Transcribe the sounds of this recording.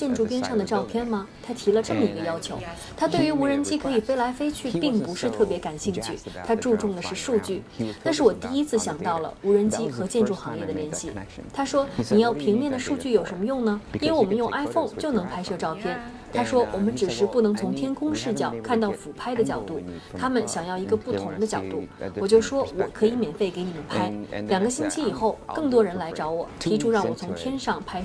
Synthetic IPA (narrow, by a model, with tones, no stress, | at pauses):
t͡ɕjɛ˥˧nʈ͡ʂu˥˩pjɛ˥nʂɑ˥˩ŋd̪ə˩ʈ͡ʂɑ˥˧ʊpʰjɛ˥˩nmɐ˨t̪ʰa˥t̪ʰi˧˥lə˧ʈ͡ʂɤ˥˩mə˩i˧˥ɡə˧jɑ˥ʊt͡ɕʰjo˧˥ʊ | t̪ʰa˥t̪we˥˩ɪy˧˥u˧˥ɻə˧˥nt͡ɕi˥kʰɤ˧˥i˨˩pe˥ɪla˧˥ɪfe˥ɪt͡ɕʰy˥˧pi˥˩ŋpu˧˥ʂɻ̩˥˧t̪ʰɤ˥˩pjɛ˧˥ka˨˩nɕi˥˧ŋt͡ɕʰy̰˥˩t̪ʰa˥ʈ͡ʂu˥˧ʈ͡ʂʊ˥˩ŋd̪ə˩ʂɻ̩˥˧ʂu˥˧t͡ɕy˥˩t̪a˥˧nʂ̬ɻ̩˥˩wɔ˨˩t̪i˥˧i˥t͡sʰɹ̩˥˩ɕjɑ˨˩ŋt̪ɑ˥˩ʊlə̰˩u˧˥ɻə˧˥nt͡ɕi˥xɤ˧˥t͡ɕjɛ˥˧nʈ͡ʂu˥˩xɑ˧˥ŋjɛ˥˩d̪ə˩ljɛ˧˥nɕi˥˩t̪ʰa˥ʂwɔ˥ni˨˩jɑ˥˩ʊpʰi˧˥ŋmjɛ˥˩nd̪ə˩ʂu˥˧t͡ɕy˥˩jo˨˩ʊʂə˧˥nmə˧jʊ˥˩ŋnə˩i˥nwe˥˩ɪwɔ˨˩mə˦njʊ˥˩˧ŋʔa˥ɪfo˥˧ŋt͡ɕjo˥˩ʊnɤ˧˥ŋpʰa˥ɪʂɤ˥˧ʈ͡ʂɑ˥˧ʊpʰjɛ˥˩n | t̪ʰa˥ʂwɔ˥wɔ˨˩mə˦nʈ͡ʂɻ̩˨˩ʂɻ̩˧˥pu˥˩nɤ˧˥ŋt͡sʰʊ˧˥ŋt̪ʰjɛ˥nkʰʊ˥ŋʂɻ̩˥˩t͡ɕjɑ˨˩˦ʊkʰa˥˧nt̪ɑ˥˩ʊfu˨˩pʰa˥ɪd̪ə˨t͡ɕjɑ˨˩ʊt̪u˥˩t̪ʰa˥mə˨nɕjɑ˨˩ŋjɑ˥˩ʊi˧˥ɡə˧pu˥˩t̪ʰʊ˧˥ŋd̪ə˧t͡ɕjɑ˨˩ʊt̪u˥˩wɔ˨˩t͡ɕjo˥˩ʊʂwɔ˥wɔ˨˩kʰɤ˧˥i˧˥mjɛ˨˩nfe˥˩ɪke˧˥ɪni˨˩mə˦npʰa˥ɪljɑ˨˩ŋɡə˦ɕi˥nt͡ɕʰi˥i˨˩xo˥˩ʊkɤ˥˩ŋt̪wɔ˥ɻə˧˥nla˧˥ɪʈ͡ʂɑ˧˥ʊwɔ˨˩t̪ʰi˧˥ʈ͡ʂʰu˥ɻɑ˥˩ŋwɔ˨˩t͡sʰʊ˧˥ŋt̪ʰjɛ˥nʂɑ˥˩ŋpʰa˥ɪ